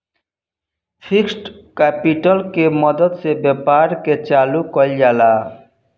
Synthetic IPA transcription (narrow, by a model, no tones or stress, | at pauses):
fʰiksʈkɛpiʈɔlkemɔd̪od̪sebɛpaɾket͡ɕalukɔljala